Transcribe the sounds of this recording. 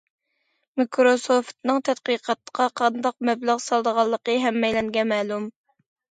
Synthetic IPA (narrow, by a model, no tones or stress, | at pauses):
mikʰɾosoft̪nɨŋt̪ʰɛt̪̚qiːqʰɑt̪ːə̥qɑqʰɑnd̪ɑq̚mɛblæʁsɑlˠd̪əʁɑlˠːəqəɦɛmːɛjlɛŋɡʲɛmɛːlum